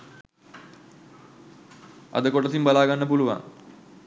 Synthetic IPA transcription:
ɐ̰d̪əkoʈəsimbalaːɡanːəpuluʋa̰ŋ

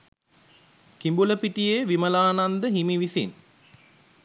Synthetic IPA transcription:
kimbuləpiʈijeʋiməlaːnand̪əɦimiʋisin

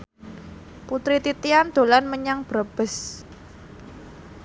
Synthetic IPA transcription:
put̪ɾit̪it̪iand̪̥o̤lanməɲaŋb̥ɾab̥ə̤s

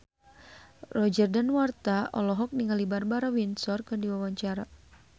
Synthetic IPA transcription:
rɔd͡ʒərdanwart̪aʔɔ̰lɔɦɔk̚niŋalibarbaɾawinsɔrkɨndiwawaɲt͡ʃaɾa

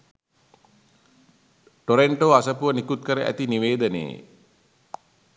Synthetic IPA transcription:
ʈoɾeɳʈoːasəpuʋənikut̪̚kəɾəʔæ̰t̪iniʋeːd̪ənḛː

